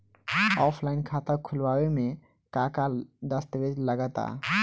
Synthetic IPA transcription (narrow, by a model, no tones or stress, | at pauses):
ɔːpʰlaɪnkʰat̪əkʰʊlwawemẽ | kãkad̪əst̪ʋed͡ʒləɡət̪a̰